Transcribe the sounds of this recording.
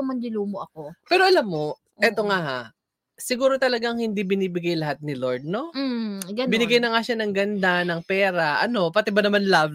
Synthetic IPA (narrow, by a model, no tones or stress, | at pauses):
mɐlɪluːmoʔɐkopɛːɾo̞ʔɐlamːo̞ | ʔɛt̪o̞ŋaha | sɪɡuːɾo̞t̪ɐlɐɡaŋhɪnd̪ibɪniːbɪɡajlɐhat̪̚nɪloɹd̪̚no̞ɡɐbbɪnɪɡajnɐŋaʃanɐŋɡɐnd̪anɐŋpɛːɾɐʔɐno̞pɐt̪ɛbɐnɐmanlaːb